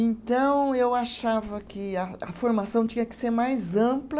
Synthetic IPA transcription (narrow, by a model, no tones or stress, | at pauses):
ẽnt̪ɐ̃w̃ewaʃavɐkɪɐɐ̰foɾmasɐ̃w̃t͡ʃĩɲɐkɪ̥seɾmajzɐ̃plɐ